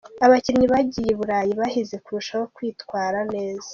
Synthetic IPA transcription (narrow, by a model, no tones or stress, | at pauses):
aβaciɾɲiβaɟijeβuɾaːjiβahize̞kuɾuʃawokwiːtkwaːɾane̞ːzḁ